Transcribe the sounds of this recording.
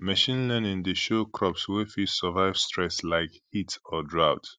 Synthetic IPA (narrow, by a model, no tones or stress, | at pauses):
məʃĩnlɛnɪ̃ŋdeʃokʰɹɔpswɪfisəvaɪv̥stɹɛslaɪkhitɔdɹaʊt